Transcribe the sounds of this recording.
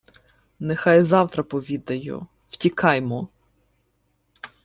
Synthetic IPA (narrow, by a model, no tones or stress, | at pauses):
nexɑjzɑwt̪ɾɐpɔʋʲid̪ɐjʊ̰ | w̥tʲikʰɑjmɔ